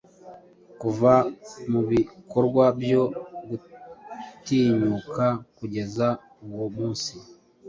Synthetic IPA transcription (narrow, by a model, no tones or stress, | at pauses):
kuvamuβikʰoɾɡwabjo̞ɡu | tiːɲukʰakuɟe̞za | uwomuːnsi